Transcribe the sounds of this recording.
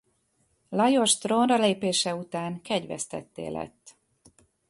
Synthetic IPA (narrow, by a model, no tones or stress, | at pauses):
lɒjo̞ʃt̪ronrɒleːpeːʃɛut̪aːŋkɛɟʋɛ̰st̪ɛ̰t̪ːḛːlʔɛ̰t̪ː